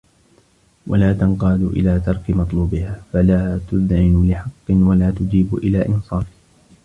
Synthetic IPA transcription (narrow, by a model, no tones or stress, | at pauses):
wʔa̰laːt̪ɑnqɑːd̪ʊʔɪ̰laːt̪ɑɾˤkɪmɑt̪ˤluːbɪhaːfalaːt̪ʊðʕɪnʊlɪħɑqːɨnwalaːt̪ʊd͡ʒiːbʔɪlaːʔɪnsˤɑːfɪ